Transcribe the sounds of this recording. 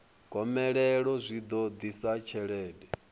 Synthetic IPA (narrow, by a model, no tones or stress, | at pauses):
kʼɔmɛɺɛɺɔzʷid̪ɔd̪isat͡ʃʰɛɺɛːdɛ